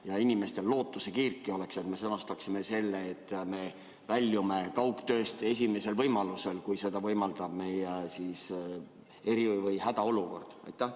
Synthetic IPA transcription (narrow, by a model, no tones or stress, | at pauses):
jɑinʲime̞st̪e̞lːo̞ːt̪ːˑuse̞kiːrkˑːio̞le̞kse̞t̪me̞sɤnɑst̪ɑksime̞se̞lːeːt̪ːˑme̞ | vælʲːume̞kɑwkt̪øːst̪e̞s̬ʲime̞se̞lvɤjmɑluse̞lkujse̞d̪̥ɑvɤjmɑld̪ɑb̥me̞jesis | e̞ɾivɤjhæd̪̥ɑo̞luko̞̰rd̪̥ɑ̰jt̪ːˑæh